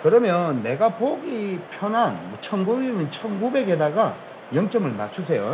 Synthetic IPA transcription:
kɯɾʌmjʌnːe̞ɡapoɡipʰjʌnanmʌt͡ɕʰʌnɡuɡinɯnt͡ɕʰʌnɡube̞ɡedaɡa | jʌŋt͡ɕ͈ʌmɯɭmat͡ɕʰusʰe̞jo

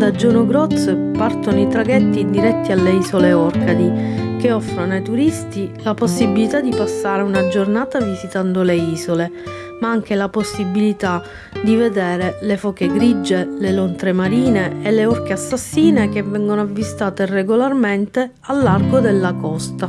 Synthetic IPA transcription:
d̪ad͡ʒːɔːnoɡɾɔt̪spart̪onoit̪ɾaɡɛt̪ːid̪iɾɛt̪ːialːeizoleɔrkad̪ik̟eɔfːɾonajt̪uɾist̪ilaposːibilit̪ad̪ipasːaːɾeunad͡ʒornaːt̪avizit̪and̪oleiːzole | maaŋk̟elaposːibilit̪a | d̪ived̪ɛːɾelefɔːk̟eɡɾid͡ʒːelelont̪ɾemaɾiːneːlːeɔrk̟easːasːiːnekevːɛŋɡonoavːist̪aːt̪ereɡolarment̪e | alːarɡod̪elːakɔst̪a

